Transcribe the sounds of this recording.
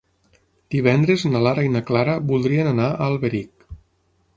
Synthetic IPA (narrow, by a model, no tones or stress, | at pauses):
d̪̥iβ̞ɛnd̪ɾeznalaɾajnaklaɾəbulˠd̪ɾiənanaʔalˠβeɾik